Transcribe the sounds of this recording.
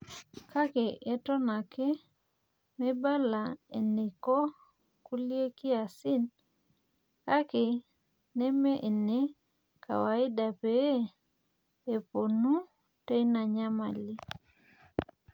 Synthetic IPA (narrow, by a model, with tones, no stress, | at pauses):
ka˦kɪ˨ʔɛ˦tɔ˦na˨kɪ˦ | me˦ba˦la˨e˨ne˨kɔ˦ | ku˦li˦e˦ki˦a˨si˦n | ka˦kɪ˨ | nɛ˦me˦ʔe˨ne˦ | ka̰˨wa˨ɪ˦da˨pe˨˦ | e˨po˨nu˦ | te˦i˦na˨ɲa˦ma˨li˦